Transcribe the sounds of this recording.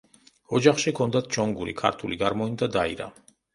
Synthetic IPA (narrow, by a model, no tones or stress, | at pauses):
ɔd͡ʒaχʃikʰɔnd̪at̪ʰt͡ʃɔŋɡuɾḭkʰa̰ɾt̪ʰuliɡaɾmɔind̪ad̪aiɾa̰